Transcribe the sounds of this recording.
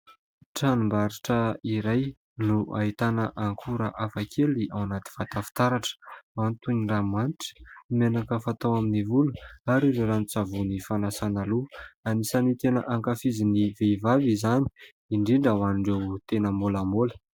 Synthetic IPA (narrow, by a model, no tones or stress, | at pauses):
ʈ͡ʂanumbaɾiʈ͡ʂəiɾaj | nuʔa̰it̪anəʔaŋkʰuɾaʔafakʰeliʔawanat̪i̥v̥at̪afi̥t̪aɾaʈ͡ʂə̥mant̪uɲiramaniʈ͡ʂə̥menakəfat̪awaminivuluaɾiziɾanit͡savunifanasanaluanisanit̪enəʔaŋkafiziniveivavizani̥ | iɳɖ͡ʐiɳɖ͡ʐawaniɳɖ͡ʐewt̪enəmbulamolə̥